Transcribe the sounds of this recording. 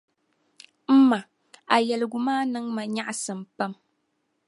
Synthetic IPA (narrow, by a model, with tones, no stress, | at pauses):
m̩˦ma˨ | a˨jɛ˨lɨ˨ɡʊ˨maː˦nɨ˦ŋma˨ɲa˦ʔsɨ˨mpa˦m